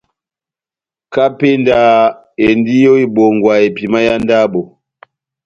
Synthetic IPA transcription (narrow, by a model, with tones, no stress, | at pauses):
ka˦pe˦nda˦˨ | e˨n˦di˦jo˦i˦bo˨ŋɡwa˨e˨pi˨ma˦ja˦nda˦bo˨